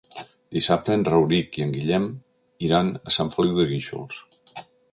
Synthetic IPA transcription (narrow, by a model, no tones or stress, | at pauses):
d̪isap̚t̪əənrəwɾikiəŋɡiʎɛm | iɾanəsaɱfəliwðəɣiʃṵlˠs